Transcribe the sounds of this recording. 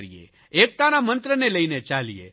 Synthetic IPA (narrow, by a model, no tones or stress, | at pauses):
ɾḭḛ | ek̚t̪anamə̃nt̪ɾəneləinet͡ʃalijḛ